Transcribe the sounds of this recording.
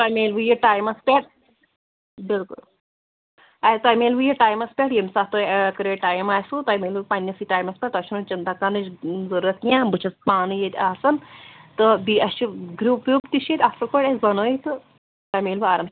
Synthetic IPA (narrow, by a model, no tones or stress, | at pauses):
t̪ɐmeːlʋɨjeʈaːjmɐspʲeʈ̚ | bilkṵl | ɐt̪ɐjmeːlʋɨjeʈaːjmɐspʲeʈjemʲsaːt̪okɨɾeʈaːjmaːsut̪ɐjmeːlɨpɐnʲːjɐsiʈaːjmɐspʲeʈ̚t̪ɐʃʰunot͡ʃɐnt̪akanɨt͡ʃzɐɾuɾɐt̪jãːbɨt͡ʃʰɐspaːnɨjet̪ʲaːsɐnt̪ɨbiɐt͡ʃuɡɾuːpjuːpt̪iʃet̪ʲaːsɐlkoʈezɐnoːjet̪ɨ | t̪ɐmeːlʋuaːɾɐm